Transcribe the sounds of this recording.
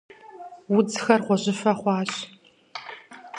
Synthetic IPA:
wʊd͡zxɐrχʷɔʑʼɪfɐχʷɑːɕ

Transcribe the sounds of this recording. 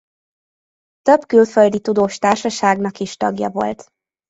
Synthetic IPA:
t̪øbkylføld̪it̪ud̪oːʃt̪aːrʃɒʃaːɡnɒkiʃt̪ɒɡjɒ̰vo̞̰lt̪

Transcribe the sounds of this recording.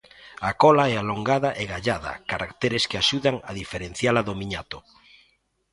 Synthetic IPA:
akɔlaɛaloŋɡaðaʔeɣaʎaða̰kaɾakt̪eɾeskeaʃuðaŋaðifeɾẽn̟θjalaðomiɲat̪o

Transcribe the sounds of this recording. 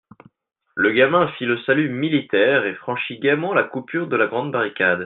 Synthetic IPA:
ləɡamɛ̃filəsalymilit̪ɛʁefχɑ̃ʃiɡʲɛmɑ̃lakupyʁd̪əlaɡʁɑ̃d̪baʁikʲad̪

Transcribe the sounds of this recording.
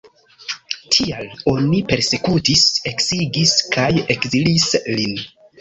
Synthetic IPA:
tʰialo̞nipe̞ɾse̞kutise̞ksiɡiskʰaje̞kzilislin

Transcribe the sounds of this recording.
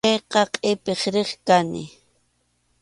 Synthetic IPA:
ejqɑqʼɪpeχɾeχkanɪ̰

